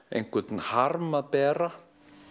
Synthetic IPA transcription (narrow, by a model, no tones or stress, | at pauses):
ḛjnkʰvɛt̪nhaɾmapɛːɾa